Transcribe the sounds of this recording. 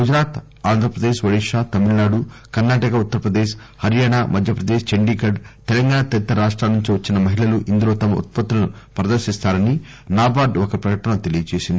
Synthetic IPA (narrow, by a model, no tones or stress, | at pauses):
ɡud͡ʒɾaːt̪ | aːnd̪ʱɾɐpɾɐd̪eːʃʋɐɽiʂaːt̪ɐmiɭnaːɖu | kɐɾnaːʈɐkɐut̪ːɐɾpɾɐd̪eːʃ | hɐɾjaːɳaːmɐd̪ʱjɐpɾɐd̪eːʃt͡ʃɐɳɖiːkɐɖt̪ɛlɐŋɡaːɳɐt̪ɐit̪ːɾɐɾaːʂʈɾaːnːuɲt͡ʃiʋɐt͡ʃːinɐmɐɦilɐluʔind̪ulo̞ːt̪ɐmɐʔṵt̪̚pɐt̪ːulɐnupɾɐd̪ɐɾʃist̪aːɾɐni | naːbaːɖokɐipɾɐkɐʈɐnɐt̪e̞lijɐt͡ʃeːsind̪i